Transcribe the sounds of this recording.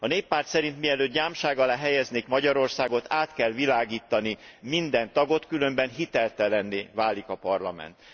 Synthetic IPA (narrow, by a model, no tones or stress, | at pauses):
ɒneːpːaːrt̪sɛɾint̪miɛløːt̪̚ɟaːmʃaːɡɒlaːɦɛjɛzneːkmɒɟɒɾo̞rsaːɡo̞t̪ʰaːt̪kɛlʋilaːɡiːt̪ːɒnimind̪ɛnt̪ɒɡo̞t̪kylø̞mbɛnɦit̪ɛlt̪ɛlɛnːeːvaːlikɒpɒrlɒmɛ̰nt̪